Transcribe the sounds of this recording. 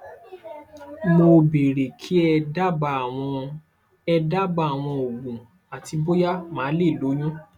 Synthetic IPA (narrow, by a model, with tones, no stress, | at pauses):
mo˧be˨ɾe˨kʰi˨˦ɛ˧da˦ba˧˨wɔ̃˧ | ɛ˧da˦ba˧˦a˨w̃ɔ̃˧o˨wũ˨ | a˨ti˧bo˦ja˦mã˨˦le˦˨lo˨˦j̃ũ˦